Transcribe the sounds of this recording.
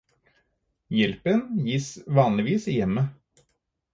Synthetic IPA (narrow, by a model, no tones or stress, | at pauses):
jɛlpənjiːsʋɑːnlɪʋiːsɪjɛmːə